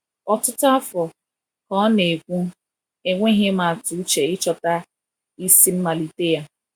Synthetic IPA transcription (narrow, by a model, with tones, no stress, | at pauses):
ɔ˨tʊ˦tʊ˦a˦fɔ˨ | kɔ˦ne˨kʷu˦ | e˨ŋʷe˦ɦe˦ma˨tu˨u˦t͡ʃe˨ɪ˦t͡ʃɔ˨ta˦ | i˦si˦m̩˦ma˨li˨te˦ja˦